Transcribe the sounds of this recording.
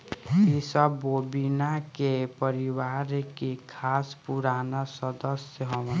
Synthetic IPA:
isəbːoːbinakepəɾiwaːɾkekʰaːspuɾaːnasɔd̪əsjəɦɔʋ

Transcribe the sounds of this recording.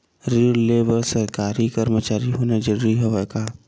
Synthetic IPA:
ɾileːbəɾsəɾkaːɾikəɾmət͡ʃaːɾiɦoːned͡ʒəɾɾiɦɛʋɛka

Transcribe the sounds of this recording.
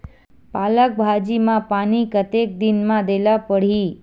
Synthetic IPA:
palək̚bʱad͡ʒimãpanikət̪ek̚d̪inmãd̪elapəɽ̤i

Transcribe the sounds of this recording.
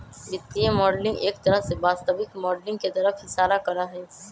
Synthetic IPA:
d͡ʒɪt̪ːiemɔːɖlɪ̃ŋɡeːkt̪ɐɾəɦsebaːst̪əbɪkmɔːɖlɪ̃ŋɡket̪ɐɾəfɦɪsaːlakɐɾaɦɛː

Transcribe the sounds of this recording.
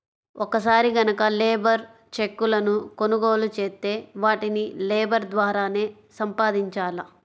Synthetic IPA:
ɔkɐs̬aːɾiɡɐnɐkɐleːbɐɾ | t͡ʃe̞kːulɐnuko̞nuɡoːlut͡ʃeːt̪ːe̞ːʋaːʈinileːbɐɾd̪ʋaːɾaːne̞ː | sɐmpaːd̪iɲt͡ʃaːlɐ

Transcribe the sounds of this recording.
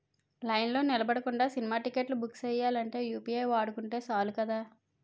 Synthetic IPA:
lɐjnlo̞ːnilɐbɐɽɐkuɳɖaːsinimaːʈikeʈlubuksɛjːaːlɐɳʈe̞ːjuːpiːejʋaːɽukuɳʈe̞ːsaːlukɐd̪aː

